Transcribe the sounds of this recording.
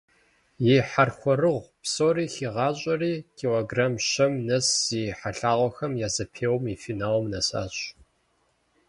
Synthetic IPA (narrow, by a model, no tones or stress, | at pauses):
jeħarxʷɔrɨʁʷpsoːriːxiʁɑːɕʼɐriːkʰiloɡraːmʃɐmnɐsziħaɬaːʁʷɔxɐmjaːzɐpʰeːwmifinaːwmnɐsa̰ːɕʼ